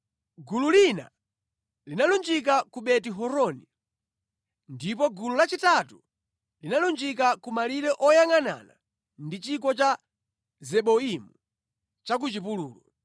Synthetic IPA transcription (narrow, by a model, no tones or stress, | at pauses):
ɡululina̰ | linalund͡ʒik̬akuɓɛtiɦɔɾɔni | ndip̬ɔɡululat͡ʃitatu | linalund͡ʒik̬akumaliɾɛʔɔjaŋana̰na | ndit͡ʃik̬ɔt͡ʃa | zɛɓɔimu | t͡ʃak̬ut͡ʃip̬uluːlɔ